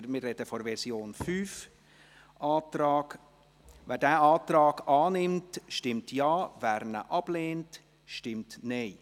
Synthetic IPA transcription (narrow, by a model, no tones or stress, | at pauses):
mɪɾrɛd̥əfɔɾvɛɾsjoːnfyːf | ʔɑːtɾɑːɡ̥ | vɛːɾdæːɑːtrɑːɡɑːnɪmtʃtɪmtʰjɑːvæːɾnə̰ʔɑb̥leːnt | ʃtɪmtneɪ